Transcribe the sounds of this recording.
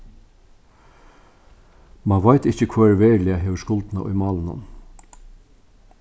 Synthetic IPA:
mɑnʋaɪt̪ɪçəkʰvaːɛɹʋeːɾlɪaɦeːʋəskʊlt̪na̰ʔɔ̰ʏjmɑːlnʊ̰n

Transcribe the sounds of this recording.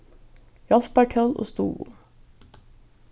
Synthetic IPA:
jɑlpæʈʰɑlʔo̰ːst̪ṵːʋṵː

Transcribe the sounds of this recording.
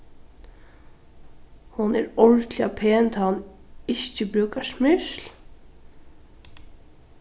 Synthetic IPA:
hʊnɛɾɔɹt̪lɪapʰeːnt̪ʰaːanɪʃcəbɾʉːkasmʏʃl

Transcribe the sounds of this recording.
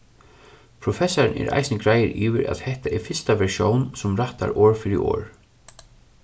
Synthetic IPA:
pʰɾɔfɛsaɹɪnɛ̰ɾʔa̰jsnəɡɾaːjɪɾʔiːʋɪ̰ɾʔa̰ðhɛht̪aʔɛɾfɪst̪aʋɛɹʃjownsʊmɾaht̪a̰ɹɔːɹfɪɾɪ̰o̰ːɹ

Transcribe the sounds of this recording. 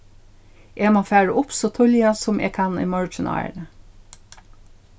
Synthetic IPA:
ʔeːmɑfæːɹəʔʊpsot̪ʰɔljɑsʊmʔḛːkʰɑnḭmɑɹd͡ʒənʔɑ̰ɪə̰ɳə

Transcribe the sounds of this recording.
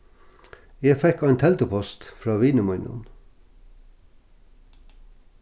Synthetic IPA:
jefɛkɑɪnt̪ʰɛlt̪əpʰɔst̪fɹɑːʋiːnəmɑʏnʊ̰n

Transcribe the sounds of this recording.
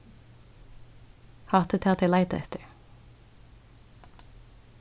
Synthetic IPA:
hɑːt̪ət̪ʰɪɑt̪æɪlæɪt̪ə̰ɛt̪əɹ

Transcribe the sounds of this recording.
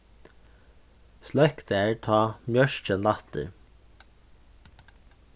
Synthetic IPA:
slœkt̪æɹʈʰɑːmjœʃc͡çənlɑt̪ə̰ɾ

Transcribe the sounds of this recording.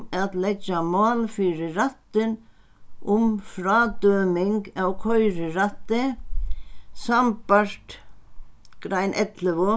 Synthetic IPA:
at̪lɛt͡ʃːamaːlfiːɾɪɾat̪ːɪn | ʊmfɾaːt̪œːmɪŋkawkʰɔjɾɪɾat̪ːɪ | sampaɾ̥t̪ | kɾajnʔɛt̪lɪvʊ

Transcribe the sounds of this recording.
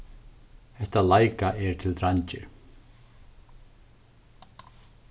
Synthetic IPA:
hɛht̪alaːjkaʔɛɾt̪ʰɪlɾaɲt͡ɕɪ̰ɾ̥

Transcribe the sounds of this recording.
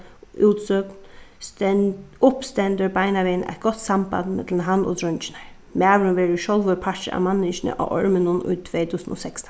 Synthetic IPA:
uːt̪sœknt̪ʊpst̪ɛnt̪əɹbaɪnaʋɛːnʔa̰jt̪̚ɡ̥ɔt̪samba̰nt̪mɛt̪lɪnɦanːɔ̰t̪ʰɾʊnt͡ʃɪ̥naɹ | mæːʋɾʊnʋɛːɹɪʃɔlʋəpʰat͡ʃɪ̰a̰manːɪʃɪnɪ̰ʔa̰wʔɔ̰ɹmɪnʊnʊ̰jt̪ʰʋeːt̪ʰuːsno̰ːsɛkst̪

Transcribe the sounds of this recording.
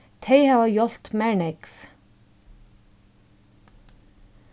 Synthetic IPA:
t̪ʰejhavajɔl̥t̪mɛɳɛkv̥

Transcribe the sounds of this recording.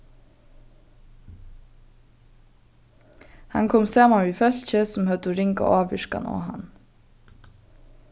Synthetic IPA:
hɑ̰ŋkʰɔmseːmɑɹiːfœlçəsɔm̩hœd̪ʊɾɪŋɡɑ̰ʔɑːʋʋɪʃkɑ̰nʔo̰ːhɑ̰n

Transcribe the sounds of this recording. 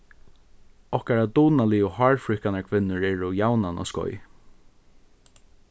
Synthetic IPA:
ɔhkaɹat̪uːnaliɔhɔːɹfɹʏhkanaɹkʰvɪnːʊɹɛːɹʊjawnanɔ̰skɔ̰j

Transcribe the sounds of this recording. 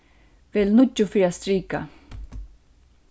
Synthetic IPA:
velnud͡ʒʊfiɾast̪ɾiːka̰

